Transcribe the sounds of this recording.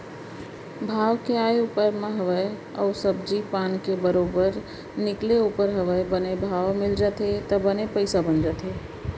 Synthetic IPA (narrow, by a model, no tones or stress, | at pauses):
bʱaʋkeajupəɾmẽɦəʋəj | ə̰ʊsəbd͡ʒipankebəɾobəɾ | nɪkleupəɾɦəʋəjbənebʱaʋmɪld͡ʒət̪et̪əbənepəɪsabənd͡ʒət̪ɦe